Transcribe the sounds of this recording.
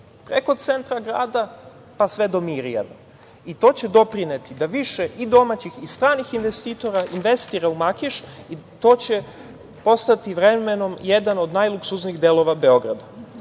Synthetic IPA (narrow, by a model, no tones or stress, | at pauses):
pɾḛko̞t̪t̪se̞nt̪ɾaɡɾa̰ːd̪a | pasʋe̞d̪o̞miɾija̰na | it̪o̞ːt͡ɕe̞d̪o̞pɾinet̪id̪aʋiʃeʔid̪o̞mat͡ɕixist̪ɾaːnixinʋest̪iːt̪o̞ɾainʋe̞st̪iɾaumakiʃi | t̪oːt͡ɕe̞ | po̞st̪at̪iʋɾemeno̞mjed̪ano̞d̪najlˠuksuzniɣd̪e̞lˠo̞ʋabe̞o̞ɡɾa̰d̪a